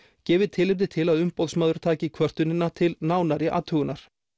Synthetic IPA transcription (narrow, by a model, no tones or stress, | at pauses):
cɛːvɪðt̪ʰɪlɪp̚t̪ɪt̪ʰɪlaðʏmpɔwðsmaːðʏɾ̥t̪ʰaːcɪkʰvœr̥t̪ʏnɪnːat̪ʰɪlnaːwnaɾɪʔa̰ːt̪ʰœɣʏnaɾ̥